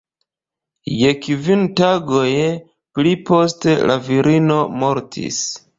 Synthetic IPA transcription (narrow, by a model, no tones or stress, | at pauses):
je̞kvintaɡo̞j | plipo̞s̬te̞lʔaviɾʔino̞mo̞ɾtʰḭs